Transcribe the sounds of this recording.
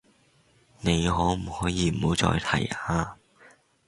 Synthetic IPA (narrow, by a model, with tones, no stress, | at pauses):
ne˨˧jɦɔː˨˥m̩˨˩hɔː˨˥jiː˨˧m̩˨˩ho˨˧˥wt͡sɔ̰ː˧jt̪ʰɐ̰˨˩jaː˧